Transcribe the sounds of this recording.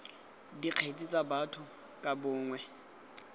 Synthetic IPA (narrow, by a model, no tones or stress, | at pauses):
diq͡χʰet͡sʼit͡sʼabatʰʊ | kʼabʊːŋwɛ